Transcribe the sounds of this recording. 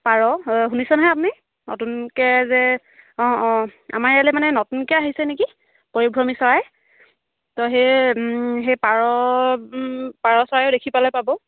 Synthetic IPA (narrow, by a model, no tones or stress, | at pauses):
paɹɔɦunisɔnaɦɛap̬uni | nɔ̰tunkɛzɛ | ɔ̃ɔ̃a̰maɹjalɛmanɛnɔtunkɛaɦisɛneki | poɹiɡʱɹɔmisɔɹaj | tɔɦej | ɦejpaɹɔ | paɹɔsɔɹajɔʊdekʰipalɔjpabɔ